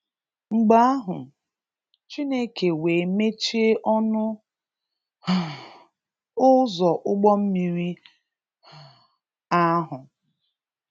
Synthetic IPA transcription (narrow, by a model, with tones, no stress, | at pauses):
ŋ͡m̩˨ɡ͡ba˦a˦ɦʊ˨ | t͡ʃi˦ne˦ke˨we˨me˦t͡ʃe˦ʔɔ˦nʊ˦˨ | ʊ˦zɔ˨ʔʊ˦ɡ͡bɔ˦m̩˦mi˨ɾi˦˨ | a˦ɦʊ˨